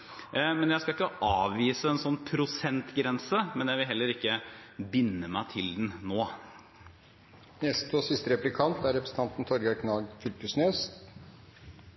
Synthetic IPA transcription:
mɛnjæɪskɑlɪkːəʔɑːʋʋiːsəɛnsɔnːpʰɾʊsɛnt̪ɡɾɛnsəmɛnjæɪʋɪlɦɛlːəɾɪkːəbɪnːəmæɪt̪ʰɪld̪nnoː | nɛst̪ɔsɪst̪əɾɛplɪkʰɑnt̪æɾɛpɾəsn̩t̪ɑnt̪n̩t̪ʰɔɾɡɑkʰnɑːɡfʏlpʉsneːs

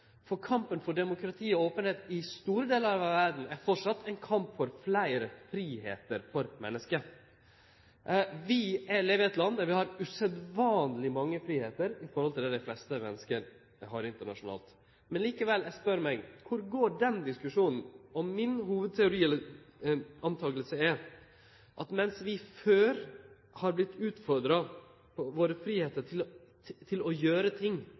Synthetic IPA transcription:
fɔɾkʰɑmpənfɔɖɛmʊkʰɾɑt̪ʰiːɔoːpənheːt̪ɪst̪uːɾəd̪eːləɾɑʋɑʋʋæɾɖn̩æɾfɔʈʂɑt̪ʰːɛɪnkʰɑmpfɔɾflæɪɾəfɾiːhḛːt̪əɾfɔɾmɛ̰nːəskə | ʋɪæleːʋɪɛt̪lɑnːd̪æɾʋɪhɑɾʉsɛd̪ʋɑːnlɪmɑŋːəfɾiːheːt̪əɾɪfɔɾhɔlt̪ʰɪld̪ɛd̪æɪflɛst̪əmɛ̰nːəskəɾ | ɦɑɾɪnt̪əɳɑ̰ʂʊnɑ̰ːlt̪ | mɛnliːkəʋɛlːæɪɡspœɾmæɪɡkʰʊɾɡoːɖɛnd̪ɪskʉʂuːnn̩ɔmɪnɦuːʋəd̪̚t̪ʰɛʊɾiːɛl | ɑnt̪ʰɑːɡəlsəɛɾ | ʔɑt̪mɛnsʋɪføːɾ | hɑɾblɪt̪ːʉːt̪fɔɾd̪ɾɑ | pʰɔʋoːɾəfɾiːheːt̪əʈʰɪl | t̪ʰɪlɔjøːɾət̪ʰɪŋː

